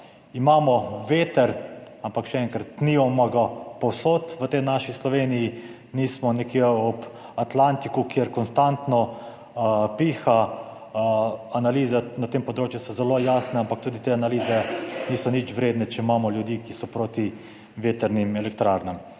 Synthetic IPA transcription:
imaːmɔʋeːt̪ɛɾ | ampakʃɛɛŋkaɾt̪niɔmaɡapɔwsot̪ʋət̪ɛnaʃislɔʋeːniji | niːsmɔnɛkeɔp | at̪lant̪ikukjeɾkɔnst̪ant̪nɔ | piːxa | analiːzɛnat̪empɔd̪ɾoːt͡ʃjusɔzɛlojaːsnɛampak̚t̪uːd̪it̪eanaliːzɛniːsɔnit͡ʃʋɾeːd̪nɛt͡ʃɛimaːmɔljud̪iːkisɔpɾoːt̪i | ʋeːt̪ɛɾnimɛlɛk̚t̪ɾaːɾnɛm

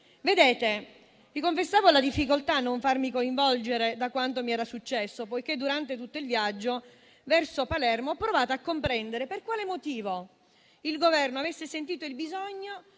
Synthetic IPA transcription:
ved̪eːt̪e | vikoɱfesːaːvolad̪ifːikolt̪aːnːoɱfarmikoiɱvɔld͡ʒeɾed̪akwant̪̬omiɛːɾasut͡ʃːɛsːopojk̟ed̪ːuɾant̪et̪̬ut̪ːoilvjad͡ʒːo | vɛrsopalɛrmoɔpːɾovaːt̪oakːompɾɛnd̪eɾeperkwaːlemot̪iːvo | ilɡovɛrnoavesːesent̪̬iːt̪oilbizɔɲːo

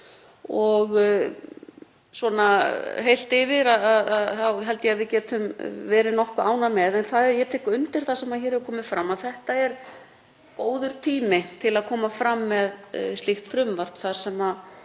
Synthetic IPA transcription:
ɔɣ | svɔːnaɦejl̥t̪ɪvɪɾaðaðaðawɦɛlt̪jɛaðvɪcɛːt̪ʏmvɛːɾɪnɔhkʏaːwnamɛðɛnθaðɛjɛt̪ʰɛːkʏnt̪ɪɾ̥θasɛmaðçɛːɾɛvkʰɔːmɪfɾamːaðθɛht̪aɛɾ | koːwðʏɾ̥t̪ʰiːmɪt̪ʰɪlaðkʰɔːmafɾamːɛðst̪lɪxt̪fɾʏmvaɾ̥t̪θaɾ̥sɛma

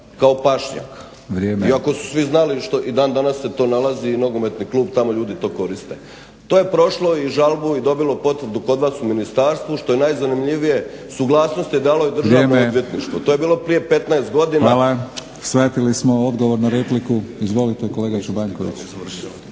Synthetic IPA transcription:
kao̞paʃɲa̰k | ʋɾjeːmeiako̞su̥sʋiznaliʃt̪oʔid̪aːnd̪anasːe̞t̪o̞ːnalaziːno̞ɡomet̪niklˠuːbt̪amo̞ʎuːd̪it̪o̞ːko̞ɾist̪e̞̰ | t̪oːje̞pɾo̞ʃlo̞iʒalˠbuid̪o̞bilo̞po̞t̪ʋɾd̪uko̞d̪ʋaːsuminist̪aːɾst̪ʋuʃt̪o̞je̞najzanimʎiʋije̞ | suɡlˠaːsno̞st̪jed̪aːlo̞id̪r̩ʒaenood̪ʋje̞t̪niʃt̪ʋot̪oje̞biːlˠo̞pɾije̞pe̞t̪naest̪ɡo̞d̪inaala | sʋet̪ilismood̪ɡoʋoɾnaɾeplikuizʋo̞lit̪ejkoleːɡat͡ʃubaɲkoʋḭt͡ɕrʃ

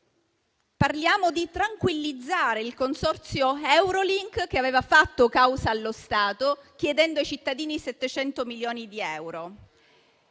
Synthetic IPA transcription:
parljaːmod̪it̪ɾaŋkwilːid̪zːaːɾeilkonsɔrt̪sjoɛwɾoliŋkk̟eaveːvafat̪ːokawsaːlːost̪aːt̪ok̟jed̪ɛnd̪oajt͡ʃit̪ːad̪iːniset̪ːet͡ʃɛnt̪omiljoːnid̪iɛwɾo

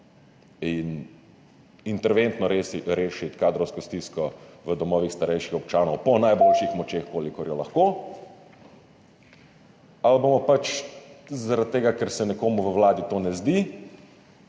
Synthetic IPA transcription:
in | int̪ɛɾʋent̪nɔɾeːʃit̪kaːd̪ɾɔwskɔst̪iskɔʋəd̪ɔmɔːʋixst̪aɾɛjʃixɔp̚t͡ʃaːnɔwpɔnajbolʃixmɔt͡ʃexkoːlikɔɾjɔlaxkoː | albomɔpat͡ʃ | zaɾat̪̚t̪ːeːɡakɛɾsɛnɛkoːmuʋəwlaːd̪it̪oːnɛzd̪i

